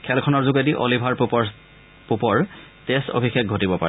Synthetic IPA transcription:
kʰɛlkʰɔnɔɹzuɡediʔolibʱaɹp | pupɔɹteso̰bʱixek̚ɡʱotibɔpa̰ɹɛ

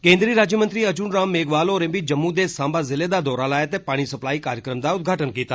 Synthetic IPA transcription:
kẽːnd̪ɾiːɾaːd͡ʒjəmənt̪ɾiɐd͡ʒuːnɾaːmːeːɡʋaːloɾẽmbid͡ʒɐmːud̪eːsãːmbazɪled̪ad̪ɔːɾalaːjet̪epaːɽ̃isɐplaːikaːɾjəkɾəmd̪aʊd̪̚ɡʱaːʈənkiːt̪aː

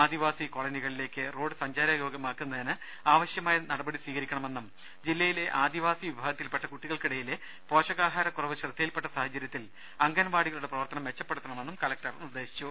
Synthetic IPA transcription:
aːd̪iʋaːsiko̞ɭɐniɣɐɭile̞ːkːɨro̞ːɖɨsɐɲd͡ʑaːɾɐjoːɡɐmaːkːunːɐðinɨ | aːʋɐɕjɐmaːjɐnɐɽɐbɐɽisʋiːɣɐɾikʲːɐɳɐme̞nːum | d͡ʑilːɐjile̞ʔaːd̪iʋaːsiʋibʱaːɡɐt̪ːilpe̞ʈːɐkuʈːiɣɐɭkiɽɐjile | po̞ːʂɐɣaːɦaːɾɐkurɐʋɨɕrɨt̪ːɐjilpe̞ʈːɐsaːɦɐd͡ʑɐɾjɐt̪ːil | ɐŋɡɐnɐʋaːɽiɣɐɭuɽe̞prɐʋɐrt̪ɐnɐmʋe̞t͡ɕːɐpːe̞ɽut̪ːɐɳɐmenːumkɐlɐk̚ʈɐrnird̪e̞ːɕi̥t͡ɕːu

